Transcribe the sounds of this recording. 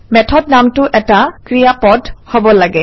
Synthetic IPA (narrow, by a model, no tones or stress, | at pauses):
mɛtʰɔdnamtʊʔɛtakɹijapɔdhobɔlaɡɛ